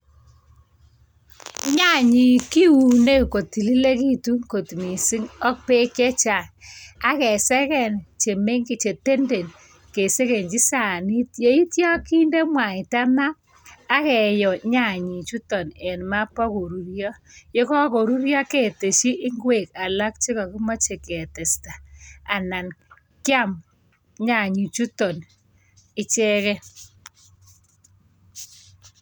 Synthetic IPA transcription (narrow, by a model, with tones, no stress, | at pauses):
ɲa˦˨ɲi˨ki˦u˨ne˦ko˨ti˨li˦le˦ki˦tu˦ŋko˨tmi˨si˦ŋɔ˦k̚pe˦kjɛ˦t͡ʃa˨a˦kɛ˨sɛ˦kɛ˨nt͡ʃe˨me˦ŋke˨t͡ʃe˨te˦nde˨n | ke˨se˦ke˨nd͡ʒi˦sa˨ni˦t̚je˨i˦tjɔ˦ki˦nde˦mwa˨i˨ta˦maː˦ | kɛ˨jɔ˨ɲa˨ɲi˨t͡ʃu˦tɔ˨nɛ˨nma˦pːa˦ko˨ɾu˨ɾjɔ˦je˦kɔ˦ko˨ɾu˦ɾjɔ˦ke˨te˨ʃi˦ʔɪ˦ŋɡwe˨ka˨la˦k̚t͡ʃi˦kɔ˨ki˦mɔ˦t͡ʃe˨ke˨tɛ˨sta˨a˨na˨n | kja˦˨m | ɲa˨ɲi˨t͡ʃu˦tɔ˨n | i˦t͡ʃɛ˦kɛ˦